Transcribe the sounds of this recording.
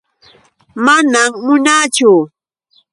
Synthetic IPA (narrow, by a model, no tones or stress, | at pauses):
manammʊnat͡ʃʊ